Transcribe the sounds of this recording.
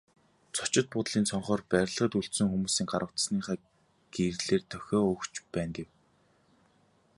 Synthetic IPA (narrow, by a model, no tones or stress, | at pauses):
t͡sʰʊ̥t͡ɕɪ̆t̪̚pʊt̪ɮiːnsʰɔɴχɔːrpæɾʲɮə̆ʁə̆t̪uɬt̪sɵ̆ŋxumuːsiːŋɢaɾə̆w̥t̪sniːχæː | ɡ̥erɮeːrt̪ʰœxʲɔːɵkt͡ɕpæːnɡew